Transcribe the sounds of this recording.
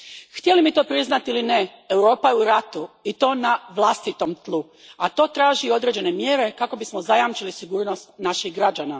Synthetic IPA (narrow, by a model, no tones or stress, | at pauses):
xt̪ʲjelimit̪o̞ːpɾiznat̪ilineewɾo̞ːpajeuɾat̪uit̪o̞ːnaʋlˠast̪it̪o̞mt̪lˠu | at̪o̞ːt̪ɾaːʒio̞d̪ɾe̞d͡ʑe̞ne̞mje̞ːɾe̞kako̞bismo̞zajamt͡ʃilisiɡuːɾno̞st̪naʃihɡɾad͡ʒana